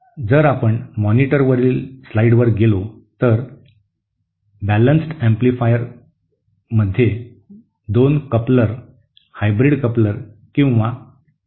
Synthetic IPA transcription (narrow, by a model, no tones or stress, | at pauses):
d͡zəɾapəɳmɔniʈəɾʋəɾiːlslaiɽʋəɾɡelo | t̪əɾ | bælənsʈæ̃mplifajəɾ | məd̪ʱːje | d̪onkəpləɾ | hajbɾiɖkəpləɾ | kĩw̃ʋa